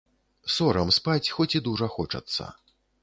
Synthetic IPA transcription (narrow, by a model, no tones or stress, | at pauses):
sɔɾɐmspat͡sʲxɔt͡sʲid̪uʐɐxɔt͡ʂɐ̰t̪sːɐ̰